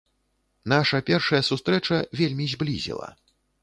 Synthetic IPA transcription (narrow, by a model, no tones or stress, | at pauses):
naʂɐpʲɛrʂɐjɐsust̪ɾɛt͡ʂɐvʲelʲmʲizʲblʲḭzʲḭlˠɐ̰